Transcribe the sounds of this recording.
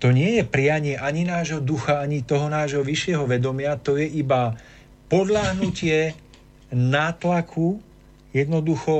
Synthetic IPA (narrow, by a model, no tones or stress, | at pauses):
t̪ɔɲɪɛjɛpɾɪaɲɪɛʔaɲinaːʒɦɔd̪uxaaɲit̪ɔɦɔnaːʒɦɔʋiʃɪɛɦɔʋɛd̪ɔmɪat̪ɔjɛʔiba | pɔd̪ʎaɦnucɪɛ | naːt̪lakʰu | jɛd̪nɔd̪uxɔ